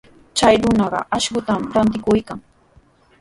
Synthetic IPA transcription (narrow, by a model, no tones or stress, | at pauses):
t͡ʃajɾʊnɑɢɑ̰ʔaʃɢʊt̪amɾant̪ɪkʊjkaŋ